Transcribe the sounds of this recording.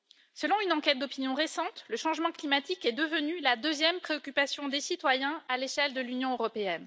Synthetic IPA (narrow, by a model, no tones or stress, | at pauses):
səlɔ̃ynɑ̃kʲɛt̪̚d̪ɔpinjɔ̃ʁesɑ̃t̪ləʃɑ̃ʒmɑ̃klimat̪ikɛd̪əvənylad̪øzjɛmpχeɔkʲypasjɔ̃d̪esit̪wajɛ̃aleʃɛld̪əlynjɔ̃øʁɔpeɛn